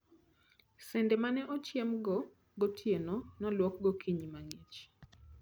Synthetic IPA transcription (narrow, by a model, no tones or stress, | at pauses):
sɛndɛmanɛʔɔt͡ʃjemɡɔ | ɡɔtʰjenɔnɔlwɔk̚ɡɔkʰiɲmaŋet͡ʃ